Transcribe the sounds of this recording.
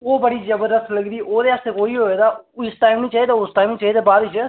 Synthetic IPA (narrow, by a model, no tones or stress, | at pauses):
oːbəɽiːd͡ʒəbəɾd̪əst̪ləɡd̪iːʔoːd̪eːaːst̪eːkoːiːɦoːeːd̪aːɪsʈaːɪmnĩːt͡ʃaɦid̪aːʊsʈaːimnĩːt͡ʃaːɦed̪eːbaːd̪ɪt͡ʃː